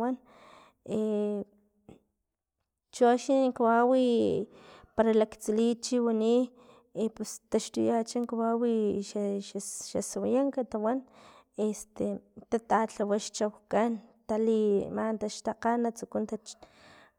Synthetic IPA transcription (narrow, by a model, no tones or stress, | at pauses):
wan | e | t͡ʃoʃiŋkawawi | paɾalakt͡silit͡ʃiwani | epust̪aʃt̪ujat͡ʃaŋkwawiʃaʃa̰sawajaŋkat̪awan | est̪et̪at̪at͡ɬawaʃt͡ʃawkant̪alimant̪aʃt̪aqanːat͡sukunt̪at͡ʃ